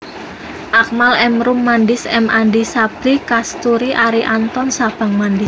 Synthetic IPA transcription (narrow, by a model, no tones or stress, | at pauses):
ʔak̚malɛmɾumːandɪsɛmʔandisab̥ɾikast̪uɾiʔaɾiʔant̪ɔnsab̥a̤ŋmandɪs